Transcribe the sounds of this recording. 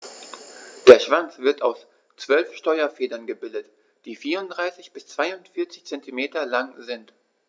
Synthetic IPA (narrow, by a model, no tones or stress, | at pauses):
d̥eːɐʃv̥ant͡sv̥ɪɐtaʊs | t͡sv̥œlfʃtɔʏɐfeːdɐnɡəbɪldət | d̥iːfiːʁʊntdʁaɪsɪçb̥ɪst͡sv̥aɪʊntfɪɐt͡sɪ̥çt͡sɛntimeːtɐlaŋzɪnt